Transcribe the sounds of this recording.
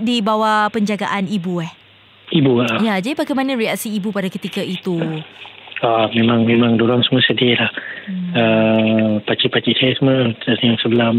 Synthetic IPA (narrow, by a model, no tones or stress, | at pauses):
dibawapəɲd͡ʒaɡa̰ʔanibuɛh | ibuɡaʔjad͡ʒadipaɡamanãɾiaʔsiːbupadakət̪ikait̪u | amẽmãŋmemãŋdoɾaŋsəməsədiəlahə | pat͡ʃiʔpat͡ʃiʔsajasəməasəjaŋsəbəlam